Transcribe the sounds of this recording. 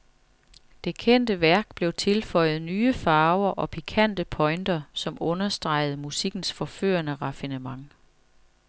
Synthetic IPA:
d̥e̝kʰen̰d̥əʋæɐɡ̥b̥le̝ʊt͡sʰe̝lfɒ̽ɪ̰ð̞̩ˠnyːəfɑ̈ːʊɐʔɒ̽pʰikʰæn̰d̥əpʰɒ̽ɪnd̥ɐsɒ̽mʔɔ̽nɐsd̥ʁɑ̈ɪ̰ð̞̩ˠmusiɡ̥n̩sfɒ̽fø̰ːɐnəʁɑ̈finəmɑ̈ŋ

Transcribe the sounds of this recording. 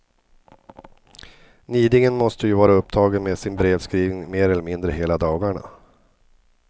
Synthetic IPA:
niːd̪ɪŋənmɔst̪əjɵvɑːɾaɵpːt̪ʰɑːɡənmeːd̪sɪnbɾeːvskɾiːvɪŋmeːɾɛlːɛɾmɪnd̪ɾəɦeːlad̪ɑːɡaɳa̰

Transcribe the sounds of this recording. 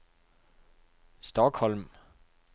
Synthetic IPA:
sd̥ɒɡhɒlm

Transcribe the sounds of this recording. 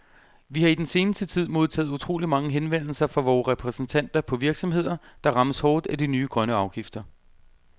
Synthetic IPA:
ʋihɑ̈id̥ense̝ːnəsd̥ət͡sʰið̞̰ˠmo̝ð̞ˠt͡sʰɛ̰ːðˠut͡sʰʁo̝̰ːlimɑ̈ŋəɦenʋen̰l̩sɐfɑ̈ʋɒːʁɛpʰʁɛsn̩t͡sʰæn̰d̥ɐpʰɒ̽ʋiɐɡ̥sɒ̽mɦe̝ð̞̰ˠɐd̥ɑ̈ʁɑ̈məshɒːd̥æd̥inyːɡ̥ʁɶnəɑ̈ʊɡ̥ifd̥ɐ

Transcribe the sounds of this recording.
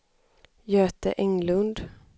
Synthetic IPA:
jøːt̪ə̰ʔɛŋlɵnd̪

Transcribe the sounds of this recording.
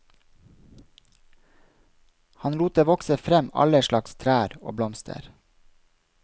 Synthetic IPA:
hɑnluːt̪əʋɔksəfɾɛmɑ̰ləʃlɑkst̪ʰɾæːɾo̰ːblɔmst̪ʰə̰ɾ

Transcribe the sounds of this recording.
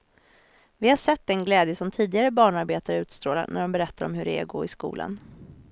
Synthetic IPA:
vɪhaʂɛt̪ːɛnɡlɛːd̪jəsɔmt̪ʰiːd̪ɪɡaɾəbɑːɳaɾbeːt̪aɾəʉ̟ːt̪st̪ɾoːla̰næ̰ɖɔmbɛɾɛt̪ʰːaɾɔmhɵɾɛɛ̰ɾɡo̰ːɾɪskṵːlʔa̰n

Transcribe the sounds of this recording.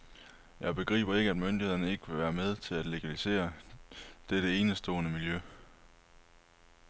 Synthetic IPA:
jɑ̈ɪb̥e̝ɡ̥ʁḭːb̥ɐe̝ɡ̥əæd̥mønd̥ihe̝ðˠɐnəe̝ɡ̥əʋe̝ʋæːɐmeð̞ˠt͡sʰe̝læd̥le̝ɡ̥ælise̝̰ːɐ | d̥eɾ̥əe̝ːnəsd̥ɔ̰ːɐnəmiljø

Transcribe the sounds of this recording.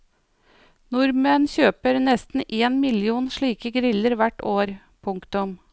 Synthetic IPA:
nʊɾmənçøːpəɾnɛst̪n̩ʔeːnmɪlɪuːnʃɭiːkəɡɾɪləɾʋæʈoːɾ | pʰʊŋkt̪ʊm

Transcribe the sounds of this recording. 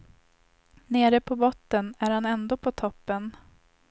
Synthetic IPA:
neːɾəpʰɔbɔt̪ːənæɾhanɛnd̪oːpʰɔt̪ʰɔpːən

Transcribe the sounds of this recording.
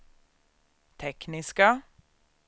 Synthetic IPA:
t̪ʰɛknɪska

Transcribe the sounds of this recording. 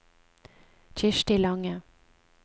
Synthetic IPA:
t͡ʃɪʃʈɪlɑŋə

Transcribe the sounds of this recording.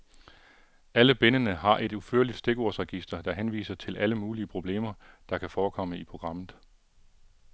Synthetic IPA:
æləb̥enənəɦɑ̈ʔe̝d̥uføɐlid̥sd̥e̝ɡ̥o̝ɐ̰sʁɛɡ̥isd̥ɐd̥ɑ̈ɦenʋḭːsɐt͡sʰe̝lʔæləmuːliəpʰʁo̝b̥le̝̰ːmɐd̥ɑ̈kʰæfɒːkʰɒ̽m̰əipʰʁo̝ɡ̥ʁɑ̈m̰ð̩ˠ

